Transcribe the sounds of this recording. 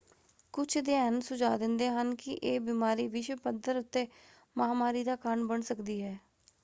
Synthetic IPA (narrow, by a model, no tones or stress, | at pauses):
kʊt͡ʃʰd̪ɪaːnsʊd͡ʒaːd̪ɪnd̪eːɦənkɪʔeːbiːmaːɾiːʋɪʃwpəd̪əɾʊt̪ːeː | maaːmaːɾiːd̪aːkəɾɳbəɳsəkd̪iːɦɛː